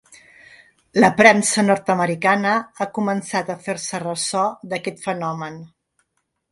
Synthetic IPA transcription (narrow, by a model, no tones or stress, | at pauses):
ləpɾɛnsənɔɾt̪əməɾikanəakumənsat̪əfeɾsərəsɔd̪əkɛt̪fənɔmən